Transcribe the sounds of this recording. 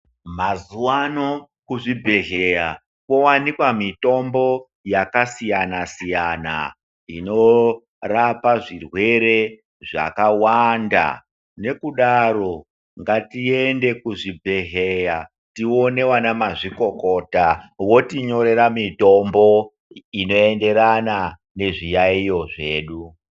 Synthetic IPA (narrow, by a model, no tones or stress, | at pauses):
mazuwano | kuʐibʱe̞ɦeja | ko̞wanikwamito̞mbo̞ | jakasijanasijana̰ | ḭno̞ | rapaʐirwe̞ɾe̞ | ʐa̰kawanda̰ | ne̞kuɗaɾo̞ | ŋɡatie̞nde̞kuʐibʱeɦeja | tio̞ne̞wanamaʐiko̞ko̞ːtawo̞tiɲo̞ɾe̞ɾamito̞mbo̞ | ino̞e̞nde̞ɾana | ne̞ʐijaijo̞ʐe̞ːɗu